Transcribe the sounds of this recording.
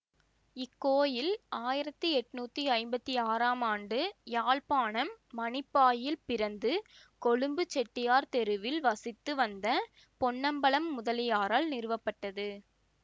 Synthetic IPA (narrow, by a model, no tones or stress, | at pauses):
ɪkːoːjɪlaːjɪɾɐt̪ːɯɛʈːɯnuːt̪ːiɐɪmbɐt̪ːiaːɾaːmaːɳɖɯjaːɭpaːɳɐmːɐnɪpːaːjɪlpɪɾɐnd̪ɯ | kɔɭɯmbɯt͡ʃːɛʈːɪjaːɾt̪ɛɾɯʋɪlʋɐsɪt̪ːɯʋɐnd̪ɐ | pɔɳːɐmbɐɭɐmːʊðɐlɪjaːɾaːlnɪɾɯʋɐpːɐʈːɐðɯ